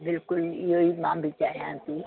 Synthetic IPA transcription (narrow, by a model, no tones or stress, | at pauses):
bɪlkʊlioimãːmbʱit͡ʃaːijãːt̪iː